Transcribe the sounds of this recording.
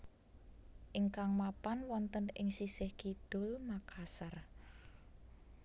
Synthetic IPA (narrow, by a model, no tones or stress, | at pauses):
ʔɪŋkaŋmapanwɔnt̪ənɪ̰ŋsisɪhkid̪̥ʊ̤lmakʰasər